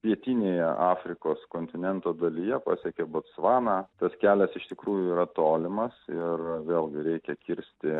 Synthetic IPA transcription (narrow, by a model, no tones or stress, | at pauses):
pʲiɛt̪ʲiːnʲeːjɛʔɑːfʲɾʲɪkoːskoːnʲt̪ʲɪnʲɛnt̪oːd̪ɐlʲijɛpɑ̰ːsʲɛkʲeːbot̪sʋɑːnɑːt̪ɐskʲæːlʲɛsɪʃt̪ʲɪkɾuːjʊiːɾɐt̪oːlʲɪmɐsɪrʋʲeːlˠɡʲɪɾʲɛɪkʲɛkʲɪɾʲsʲt̪ʲɪ